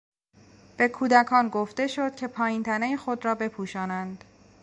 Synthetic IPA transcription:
b̥e̞kʰuːd̪ækʰɒːnɡoft̪e̞ʃo̞d̪̥̚cʲʰe̞pʰɒːjiːnt̪ʰænejexo̞d̪ɾɒːbe̞pʰuːʃɒːnænd̪̥

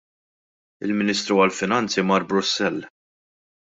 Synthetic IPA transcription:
ɪ̰lmɪniːst̪ɾuɐlfɪnɐnt͡simɐɾbɾʊsːɛlː

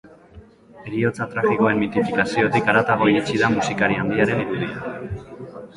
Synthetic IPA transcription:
e̞ɾio̞t͡sat̪ɾafiko̞e̞nmit̪iflikasio̞t̪ikaɾat̪aɣ̞o̞iɾit͡ʃiðamusikaɾiand̪iaɾe̞niɾuð̞ia

